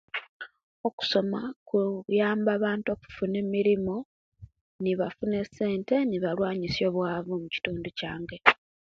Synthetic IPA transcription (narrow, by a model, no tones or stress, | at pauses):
o̞ku̥so̞makujaːmbaːβaːnto̞ːku̥fune̞miɾimo | niβafune̞se̞ːnte̞niβalwaːɲisjo̞ːβwaːvumuci̥tuːnducaːŋɡe̞